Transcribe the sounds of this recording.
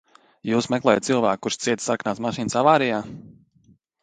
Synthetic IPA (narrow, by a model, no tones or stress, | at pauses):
juːsmɛklˠɛːjat̪silˠvæ̰ːk̚ːuɾʃt̪siɛt̪saɾknaːt̪smaʃiːnsavaːɾijaː